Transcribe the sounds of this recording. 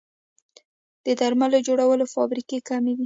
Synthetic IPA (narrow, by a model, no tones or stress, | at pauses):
d̪̥əd̪aɾmalod͡ʒoɽawəlofɑ̰bɾikekamewi